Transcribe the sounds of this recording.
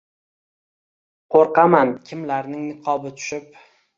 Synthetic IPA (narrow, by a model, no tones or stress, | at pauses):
qʰoɾqɑmankʲʰɪmlaɾnɪŋnɪqʰɒbɪt̪ʰʊ̥ʃɪp̚